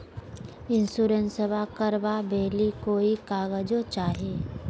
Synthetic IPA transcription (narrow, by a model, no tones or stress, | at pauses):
ɪnsuːɾənsəbakəɾʋabeːlikoːikaːɣəd͡ʒot͡ʃaːɦieː